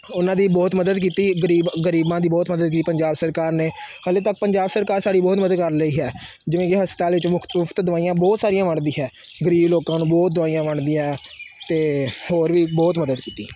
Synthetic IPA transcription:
ʊnãːd̪iːbɔːt̪məd̪əd̪k̬iːt̪iːɡəɾiːbɡəɾiːbãːd̪iːbɔːt̪məd̪əd̪̚kiːt̪iːpəɲd͡ʒaːbsəɾkaːɾneːhəleːt̪ək̚pəɲd͡ʒaːbsəɾkaːɾsaːɽiːbɔːt̪məd̪əd̪̚kəɾləiːɦɛːd͡ʒɪʋẽːkɪɦəspət̪aːlʋɪt͡ʃʊk̪mʊkʰt̪d̪ʊʋaːijãːbɔːt̪saːɾijãːʋəɳd̪ĩːɦɛː | ɡəɾiːbloːkãːnũːbɔːt̪̚d̪ʊʋaːijãːʋəɳd̪ĩːãɦɛːt̪eːhoːɾʋiːbɔːt̪məd̪əd̪kiːt̪iː

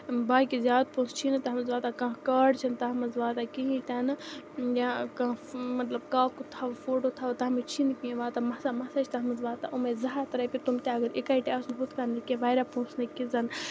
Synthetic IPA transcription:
baːkizʲjaːd̪̚põːst͡ʃʰint̪ɐɦɐmɐzʋaːt̪akãːkaːɖt͡ʃʰɐnt̪ɐɦɐmɐzʋaːt̪akĩɦĩt̪ɐnɨjakãːmɐt̪lɐbkaːkut̪ʰaʋfoːʈot̪ʰaʋt̪ɐɦmit͡ʃʰinkĩʋaːt̪amɐsamɐsɐt͡ʃʰt̪ɐɦɐmɐzʋaːt̪aʔumezɐɦaːt̪ɾɐpit̪umt̪aɐɡəɾikaiʈeɐsnɦut̪ʰkanːikẽʋaːjɾapũːsnɐkizɐn

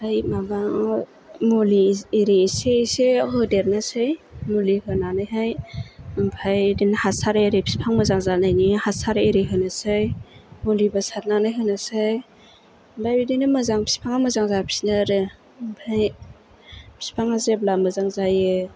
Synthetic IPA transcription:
hajmabaŋ | moliiɾisesehɯdeɾnasɯjmolihɯnanɯjɦajɯmpʰajdinahasaɾeɾepʰi̥spʰaŋmazaŋzanajnihasaɾeeɾiɦɯnasɯjmolibasat̚nanɯjɦɯnasɯj | mbʰajbidinɯmazaŋpʰi̥spʰaŋaməzaŋzapʰi̥snaɾɯ | ɯmpʰaj | pʰi̥spʰaŋazeblamɯzaŋzajɯ

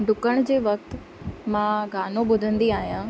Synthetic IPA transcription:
ɖʊkəɽ̃d͡ʑeːʋɐk̚t̪ | mãɡaːnõɓʊd̪ʱə̃nd̪iaːɦijãː

